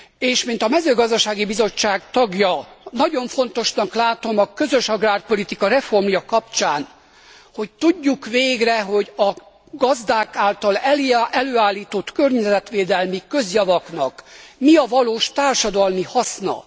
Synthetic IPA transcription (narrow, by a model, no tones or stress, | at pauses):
eːʃmint̪ɒmɛzøːɡɒzd̪ɒʃaːɡibizo̞t͡ʃːaːɡt̪ɒɡjɒnɒɟo̞ɱfo̞nt̪o̞ʃnɒklaːt̪o̞mɒkø̞zøʃɒɡraːrpo̞lit̪ikɒɾɛfo̞rmjɒkɒpt͡ʃaːn | ho̞c̚t̪uɟːukʋeːɡrɛɦo̞ɟɒ | ɡɒzd̪aːkaːlt̪ɒlɛlʔɛløːaːlːiːt̪o̞t̪kørɲɛzɛt̪ʋeːd̪ɛlmikøzjɒvɒknɒ̰kmiɒvɒloːʃt̪aːrʃɒd̪ɒlmihɒsnɒ̰